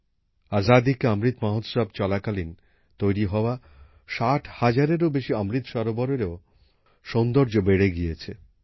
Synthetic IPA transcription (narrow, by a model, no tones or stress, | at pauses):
azad̪ikeamɾit̪maɦot̪ʃab̚t͡ɕɔlakalin | t̪ojɾiɦɔoa | ʃaʈʰhad͡ʑaɾeɾobeʃiamɾit̪ʃɔɾobɔɾeɾeo | ʃɔnd̪oɾd͡ʑobeɽeɡijet͡ɕʰe